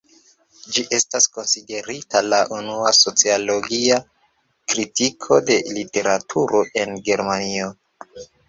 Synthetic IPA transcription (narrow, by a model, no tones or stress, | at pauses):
d͡ʒiʔe̞stasko̞nside̞ɾitalaʔunuaso̞t͡sialo̞ɡia | kɾitikʰo̞de̞lite̞ɾatʰuɾʔo̞ʔe̞nɡe̞ɾmanio̞